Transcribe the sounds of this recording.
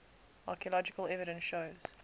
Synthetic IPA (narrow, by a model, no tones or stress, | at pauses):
ɑˑkiəlɔd͡ʒɪkəlɛvɪɾə̃nsʃoʊz̥